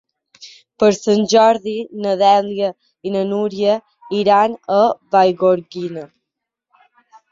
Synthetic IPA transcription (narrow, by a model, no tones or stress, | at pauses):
pəɾsəɲd͡ʑaɾðinəðɛljə | inənuɾjə | iɾanəvajɡɔɾɡinə